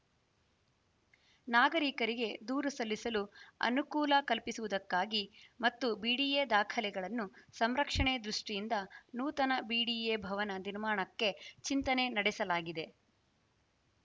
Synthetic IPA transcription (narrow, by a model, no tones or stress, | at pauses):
naːɡɐɾikɐɾiɡe̞d̪uːɾusɐlːisɐluɐ̰nukuːlɐkɐlpisuʋud̪ɐkːaːɡimɐt̪ːubiːɽiːeːd̪aːkʰɐlɛɡɐɭɐnːusɐmɾɐkʂɐɳed̪ɾuʂʈijind̪ɐnuːt̪ɐnɐbiːɽiːeːbʱɐʋɐnɐniɾmaːɳɐkːe̞t͡ʃint̪ɐne̞nɐɽɛsɐlaːɡid̪e̞